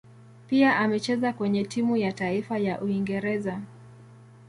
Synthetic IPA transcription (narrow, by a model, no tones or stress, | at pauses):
piaʔamɛt͡ʃɛzakwɛɲɛtimujataifajaʔuiŋɡɛɾɛza